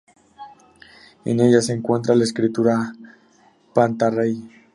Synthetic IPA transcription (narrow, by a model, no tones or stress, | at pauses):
ḛne̞ʝase̞ːŋkwe̞nt̪ɾalaeskɾit̪uɾa | pant̪arej